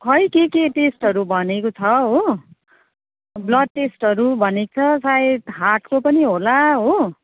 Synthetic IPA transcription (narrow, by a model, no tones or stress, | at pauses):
kʰʌjkekeʈesʈɦʌɾubʱʌnekot͡sʰʌɦo | blʌd̪̚ʈesʈɦʌɾubʱʌnekot͡sʰʌsaet̪ɦaʈkopʌniɦolaɦo